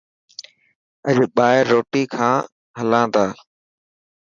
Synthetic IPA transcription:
əʄɓaːɪɾːoːʈiːkʰãː | ɦəlãːd̪aː

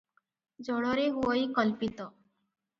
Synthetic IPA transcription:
d͡ʒɔɽɔɾeɦuɔjkɔlpit̪ɔ

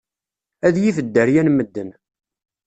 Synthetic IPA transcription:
æðjifəd̪ːəɾjænməd̪ːən

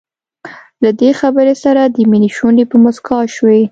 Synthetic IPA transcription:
lad̪exabəɾesaɾad̪əminiʃunepəmʊskɑʃwe

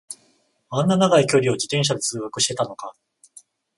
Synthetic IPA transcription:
ãnːanaɡaikʲo̞ɾʲio̞d͡ʑit̪ẽ̞ɰ̃ɕ̬ad̪et͡sɨːɡakɯ̟ɕi̥t̪e̞t̪ano̞ka

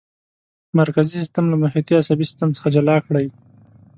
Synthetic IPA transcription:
maɾkazisist̪amlamahjɑt̪iasabisɪ̥st̪amt͡sə̥xad͡ʒalɑkɽaj

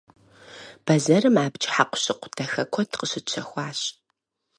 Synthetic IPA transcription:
b̥ɐzɐrɨmaːbt͡ʃʼħaqʷʊ̥ɕɪqʷʊtʰɐxɐkʷʰɔtʰqəɕɪt͡ʃʰɐxʷɑːɕ

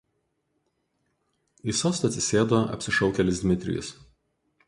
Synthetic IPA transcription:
iˑsoːst̪ɐt̪ʲsʲɪsʲeːd̪oːɐ̰pʲsʲɪʃɒʊkʲɛlʲɪsd̪ʲmʲɪt̪ʲɾʲɪ̰jʊ̰s

